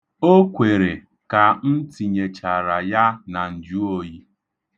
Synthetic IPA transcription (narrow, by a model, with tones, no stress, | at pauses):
o˦kʷe˨ɾe˨ | ka˨n̩˦ti˨ɲe˨t͡ʃa˨ɾa˨ja˦na˨n̩˨d͡ʒu˦o˦ji˦